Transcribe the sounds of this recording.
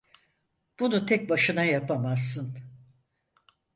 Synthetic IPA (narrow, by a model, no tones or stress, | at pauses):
b̥unut̪ʰɛc̚baʃɯnajapamazːɯn